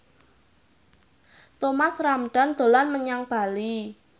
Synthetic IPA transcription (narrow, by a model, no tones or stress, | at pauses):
t̪omasramɖ̪̥a̤nd̪̥o̤lanməɲaŋb̥a̤li